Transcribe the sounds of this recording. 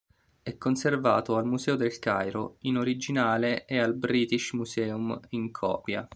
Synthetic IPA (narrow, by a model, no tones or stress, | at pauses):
ɛkːonservaːt̪oalmusɛːod̪elkajɾo̰inoɾid͡ʒinaːleʔːalbɾiːt̪iʃmusɛːumiŋkʰɔ̰ːpja̰